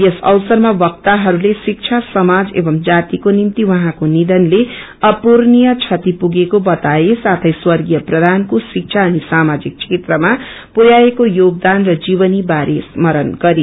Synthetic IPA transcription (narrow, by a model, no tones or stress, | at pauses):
jʌsʌ̰wsʌrmabʌkt̪aɦʌɾulesik̚t͡ʃʰasʌmad͡zḛbʌmd͡zat̪ikonimt̪iwʌɦãkonid̪ʌnle | ʌpurnijʌt͡sʰʌt̪ipuɡekobʌt̪aesat̪ʰʌjswʌrɡijʌprʌd̪ʱankosik̚t͡sʰaʌnisamad͡zik̚t͡ʃʰet̪rʌma | puɾjaekojoɡ̚d̪anrʌd͡zibʌnibaɾesmʌɾʌnɡʌɾi